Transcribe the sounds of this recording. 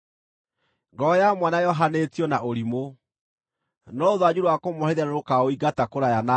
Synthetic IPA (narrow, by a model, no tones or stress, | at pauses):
ŋɡɔjamwanajɔɦanetiɔnaʔoɾimo | nɔoðwad͡ʑuɾoakomɔheðanoɾokaoiɡatakoɾajana